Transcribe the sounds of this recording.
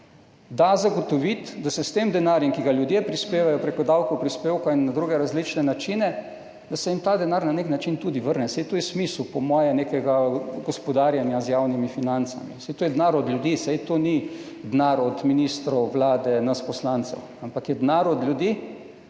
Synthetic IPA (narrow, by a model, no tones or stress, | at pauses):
d̪azaɡɔt̪ɔʋit̪d̪asɛst̪emd̪ɛnaːɾjɛmkiɡaljud̪jepɾispeːʋajɔpɾekɔd̪awkowpɾispeːwkainːad̪ɾuɡɛɾazlit͡ʃnɛnat͡ʃinɛ | d̪asɛjimt̪aːd̪ɛnaɾnaneknat͡ʃint̪uːd̪iʋəɾnɛsɛjt̪oːjɛsmislupɔmɔːjɛnekɛɡaɡɔspɔd̪aːɾjanjazjaːwnimifinant̪sa̰mḭsɛjt̪oːjɛd̪naɾɔd̪ljud̪iːsɛjt̪oni | d̪naɾɔd̪minist̪ɾɔwʋlaːd̪ɛnaspɔslant̪sɛ̰w | ampakjɛd̪naɾɔd̪lʲjud̪i